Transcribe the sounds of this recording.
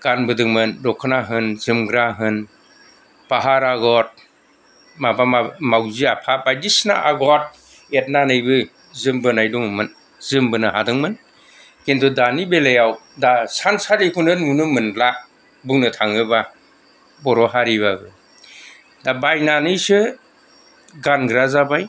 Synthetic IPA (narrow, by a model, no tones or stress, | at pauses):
ɡ̥anbɯdɯŋmɯndɔkʰɯnaɦɯnzɯmɡɾaɦɯn | paɦaɾaɡɔt̚ | mabamamawziapʰapajdisna̰ʔaɡɔt̚ | et̚nanɯjbɯ | zɯmbɯnajduŋɯmɯn | zɯmbɯnɯhadɯŋmɯn | kentʰudanibelejaw | dasansalikʰunɯnunɯmɯnbla | buŋnɯtʰaŋɯba | bɔɾɔɦaɾiβabɯ | dabajnanɯjsɯ | ɡanɡɾazabaj